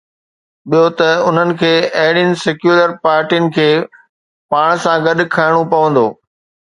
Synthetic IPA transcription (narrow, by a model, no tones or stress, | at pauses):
ɓijot̪ɐʊn̤ənɪ̆kʰeːɐɦɪɽijənɪ̆sɛkjuːləɾpaːɾʈijənɪ̆kʰeː | paːɽ̃sãɡɐɗ̆kʰaːɪɽ̃opɐʋə̃nd̪o̰ː